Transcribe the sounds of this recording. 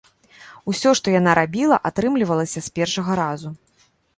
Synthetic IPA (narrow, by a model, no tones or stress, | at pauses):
usʲɔʂt̪ɔjanaɾabʲilˠɐ̰ʔat̪ɾɨmlʲivɐlˠɐsʲɐsʲpʲɛrʂɐɣɐɾazu